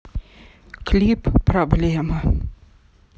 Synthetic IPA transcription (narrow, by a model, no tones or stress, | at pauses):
klʲipːrɐblʲɛmɐ